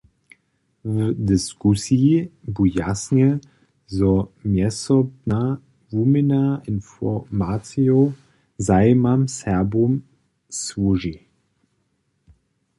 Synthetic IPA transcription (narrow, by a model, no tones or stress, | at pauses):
vədɪskusibujasnə | zɔmjɛsɔbna | vumənaɪnfɔmat͡sjio | zaɪmamsɛɐbum | svuʒi